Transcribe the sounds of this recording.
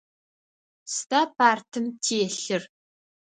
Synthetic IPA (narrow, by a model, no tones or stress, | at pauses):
stʰaːpʰaːrtʰɨmtʰiɛɬɨr